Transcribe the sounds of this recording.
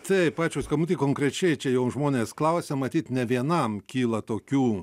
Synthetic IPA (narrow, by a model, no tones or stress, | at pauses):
t̪ʲɐɪppɑːt͡ʃʲoːskɐmʊt̪ʲikoŋkɾʲɛt͡ʃʲɛɪt͡ʃʲɛjɛʊʒmoːnʲeːsklˠɐʊsʲɛmɐt̪ʲiːt̪nʲɛʋʲiɛnɐmkʲiːlˠɐt̪oːkʲuː